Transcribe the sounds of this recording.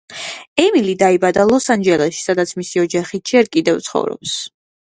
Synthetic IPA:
ɛmilid̪aibad̪alˠɔsand͡ʒɛlɛʃi̥sad̪at̪sʰmisiɔd͡ʒaχid͡ʒɛɾkʼid̪ɛvt̪sʰχɔ̰vɾɔ̰ps

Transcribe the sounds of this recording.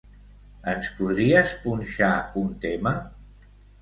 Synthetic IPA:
ənspuðɾiəspunʲʃaunt̪emə

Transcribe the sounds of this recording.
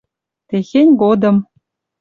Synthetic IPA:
t̪exʲenʲɡod̪ɤ̆m

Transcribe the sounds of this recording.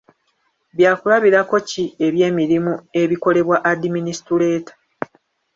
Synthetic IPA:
βjaːkulaβiɾako̞cie̞βje̞ːmiɾimue̞βiko̞le̞βwaʔadiminisi̥tule̞ːtḁ

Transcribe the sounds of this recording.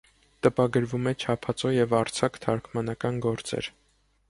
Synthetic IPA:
t̪əpɑɡəɾvumɛt͡ʃʰɑpʰɑt͡sɔjɛvɑɾt͡sʰɑkʰt̪ʰɑɾkʰmɑnɑkɑnɡɔɾt͡sɛ̰ɾ

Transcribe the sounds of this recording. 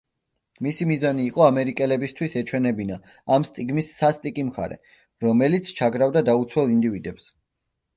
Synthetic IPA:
misimizaniːqʼɔamɛɾikʼɛlɛbist̪ʰwisɛt͡ʃʰwɛnɛbina | amst̪ʼiɡmisːast̪ʼikʼimχa̰ɾɛ̰ | ɾɔmɛlit̪sʰt͡ʃʰaɡɾavd̪ad̪aut̪sʰwɛlˠind̪ivid̪ɛps

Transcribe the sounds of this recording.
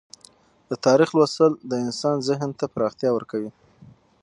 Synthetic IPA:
d̪ət̪ɑɾixlwasəld̪əɪnsɑnzɪɦnt̪apɾɑxt̪jɑwəɾkawi

